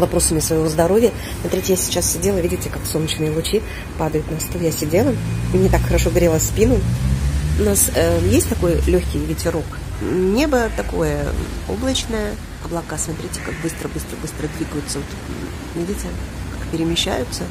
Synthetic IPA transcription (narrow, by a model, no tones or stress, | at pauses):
vɐpɾo̞səmʲɪsvəjɪvozd̪ɐɾo̞vʲjə | smɐt̪ɾʲitʲɪjasʲɪ̥t͡ɕassʲɪdʲelˠəvʲidʲɪtʲɪkaksonnːət͡ɕnɨjəlˠʊt͡ɕi | pad̪əjʊt̪nɐst̪ojasʲɪdʲelˠənʲɪt̪akxəɾɐʂo̞ɡɾʲelˠəspʲinʊ | ʊnasəjesʲtʲt̪ɐko̞jlʲɵçʲkʲɪjvʲɪtʲɪɾok | nʲebət̪ɐko̞̰jə̰o̰blˠət͡ɕnəjə | ɐblˠɐkasmɐt̪ɾʲitʲɪ̥kak̚bɨst̪ɾəbɨst̪ɾəbɨst̪ɾəd̪vʲiɡəjʊt̪səvot̪ | vʲidʲɪtʲɪkakpʲɪɾʲɪmʲɪɕːæ̰jʊt̪sːə